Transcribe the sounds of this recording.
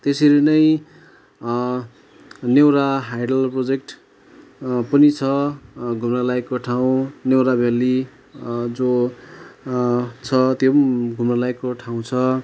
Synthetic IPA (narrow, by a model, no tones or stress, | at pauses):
t̪eseɾenʌj | new̃ɾaɦajɖʌlprod͡zekʈ | pʌnit͡sʰʌɡʱumnalaekːoʈʰaw̃new̃ɾabʱeli | d͡zo | t͡sʰʌt̪joɡʱumnalaekːoʈʰaw̃t͡sʰʌ